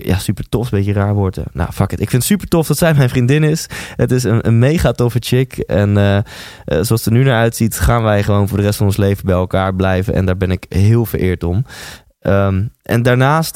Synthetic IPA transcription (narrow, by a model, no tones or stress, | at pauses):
ja̰sypəɹtɔfsbekəraːɹʋɔɹtə̰na̰fɑkətɪkfɪntsypəɹtɔfdɑtsɛjmɛjnfrindɪnɪshətɪs̬ənənmejχaːtɔfət͡ʃɪkɛnə | soɑlˠstəɹnynaːɹœɥtsitχaːnʋɛjχəʋownfʊːɹdərɛstfɑnɔnslejvəbɛjɛlˠkaːɹblɛjvə̰nʔɛ̰ndaːɹbɛnɪkɦɪːlˠvəɹʔɪːɹtɔm | ʔəmʔɛ̰ndaːɹnaːst